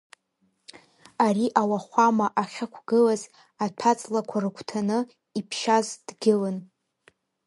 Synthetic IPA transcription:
aɾiʔawaχʷamaʔaχʲakʷʰɡɨlaz | atʷʰat͡sʼlakʷʰarɨkʷʰtʰanɨ | ipʰʃazd̥ɡʲɪlɨn

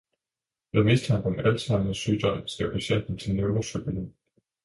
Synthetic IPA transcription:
ʋemist͡sʰɑ̈ŋ̰ɡ̥ɒmælsɑ̈ŋəsy̰ːd̥ɒ̽m̰sɡ̥ḛʊ̰pʰæɕen̰d̥n̩t͡sʰe̝lneʊʋɐsøb̥ələn

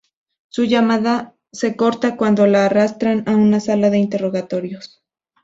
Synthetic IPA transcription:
suʝamaða | se̞ko̞ɾt̪akwand̪o̞laːrast̪ɾanaunasalaðe̞int̪e̞ro̞ɣat̪o̞ɾjos

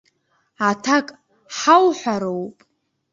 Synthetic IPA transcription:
atʰakʼ | ħawħʷaɾowpʼ

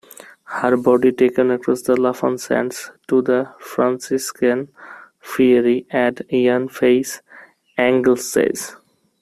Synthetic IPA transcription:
həɾbɔɖiʈekə̃nəkɾɔsd̪əlafə̰̃nsæ̰̃ɳɖsʈud̪əfɾãnsiskə̃n | fiəɾiæ̃ɖjãnfeɪs | æ̃ŋɡlsːḛɪz

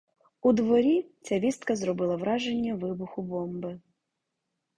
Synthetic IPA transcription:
ud̪ʋɔɾʲit͡sʲaʋʲist̪kɐzɾɔbɪlˠɐʋɾɑʒenʲːɐʋɪbʊxʊbɔmbɪ

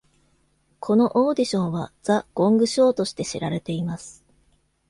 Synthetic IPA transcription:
kʰo̞no̞ʔo̞ːd̪ʲiɕõ̞ɰ̃βad͡zaɡ̥õ̞ŋɡɯ̟ɕo̞ːt̪o̞ɕi̥t̪e̞ɕiɾaɾe̞t̪e̞imasɨ̥

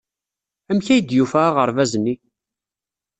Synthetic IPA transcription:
æmçæjəd̪jufæʁəɾˤvæzənːi

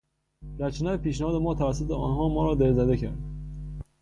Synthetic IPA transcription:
d̪̥æɾt͡ʃʰenæɾpiːʃnæhɒːd̪emɒːt̪ʰævæsːot̪ʰeɒ̰ːnɦɒːmɒːɾɒːd̪eɾzæd̪e̞cʰæ̰ɾd̪

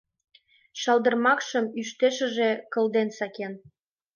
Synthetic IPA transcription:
ʃɑlˠd̪ə̆rmɑkʃə̆myʃt̪eʃə̆ʒekə̆ld̪ensɑken

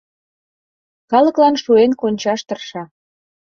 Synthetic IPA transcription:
kɑlə̆klɑnʃuenkonʲt͡ɕɑʃt̪ə̆rʃɑ

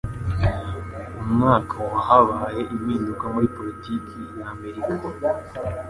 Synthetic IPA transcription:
umŋaːkʰawahaβaːje̞ʔimiːndukamuɾipo̞litʰikʰijaːme̞ɾikḁ

